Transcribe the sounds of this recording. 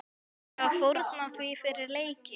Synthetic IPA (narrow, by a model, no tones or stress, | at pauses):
awfowɾt̪naθvifɪɾɪɾleːjcɪ